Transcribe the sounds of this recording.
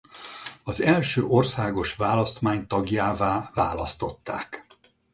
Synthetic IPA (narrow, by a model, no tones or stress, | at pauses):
ɒzɛlʃøːʔo̞rsaːɡo̞ʃvaːlɒst̪maːɲt̪ɒɡjaːvaːvaːlɒst̪o̞t̪ːa̰ːk